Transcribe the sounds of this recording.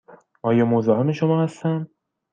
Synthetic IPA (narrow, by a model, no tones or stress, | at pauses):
ɒːjɒːmozɒːɦemeʃomɒːhæst̪ænd̪̚